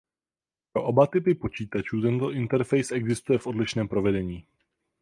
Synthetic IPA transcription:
pɾo̞ʔobat̪ɪpɪpo̞t͡ʃiːt̪at͡ʃuːt̪̬ɛnt̪o̞ʔɪnt̪ɛɾfɛjsʔɛɡzɪst̪ujɛfʔo̞dlɪʃnɛːmpɾo̞vɛdɛɲiː

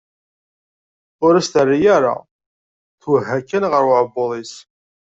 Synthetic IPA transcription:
ʊɾæst̪ərːijaɾa̰ | θwəɦːækːænʁəɾwəʕəboðˤis

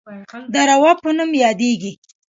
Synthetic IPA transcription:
d̪əɾawɑpənumjɑd̪eɡi

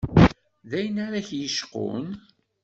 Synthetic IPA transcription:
ðæjənaɾaçjəʃqʊ̰n

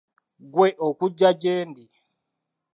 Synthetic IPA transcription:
ɡweʔokuɟːaɟeːndi

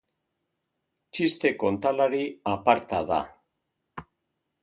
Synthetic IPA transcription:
t͡ʃist̪e̞ko̞nt̪alaɾiapaɾt̪aða̰

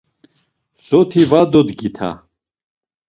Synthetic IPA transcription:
sɔt̪ʰivad̪ɔd̪ɡit̪ʰa̰

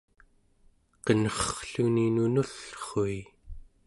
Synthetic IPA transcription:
qənʌχχɬuninunuɬχoi

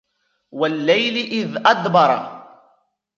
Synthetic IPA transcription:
walːajlɪʔɪðʔɑd̪bɑɾˤɑ̰

